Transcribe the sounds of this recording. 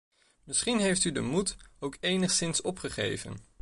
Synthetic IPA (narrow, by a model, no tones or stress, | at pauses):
mɪsχinɦejftydə̰mutowkejnəχsɪnsɔpχəχḛjvə̰n